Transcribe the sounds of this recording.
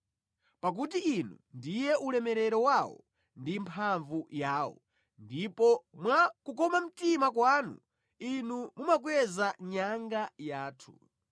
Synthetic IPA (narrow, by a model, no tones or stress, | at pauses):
pak̬utiinundijɛʔulɛmɛɾɛɾɔwawɔ̰ | ndimpʰaɱvujaːwɔ̰ | ndipɔmwakukɔmam̩timak̬waːnṵ | inumumak̬wɛzaɲaŋɡajaːtʰu̥